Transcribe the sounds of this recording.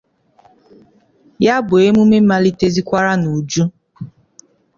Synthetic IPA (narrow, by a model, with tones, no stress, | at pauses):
ja˦bʊ˨e˦mu˦me˦m̩˦ma˦li˦te˦zi˦kʷa˦ɾa˦nu˨d͡ʒu˦